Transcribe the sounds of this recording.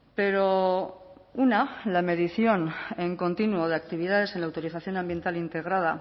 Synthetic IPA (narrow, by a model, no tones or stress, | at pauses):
pe̞ɾo̞ | unalame̞ðiθjo̞neŋko̞nt̪inuoð̞eakt̪iβ̞iðað̞e̞se̞nlawt̪o̞ɾiθaθjo̞nambje̞nt̪alint̪e̞ɣ̞ɾað̞a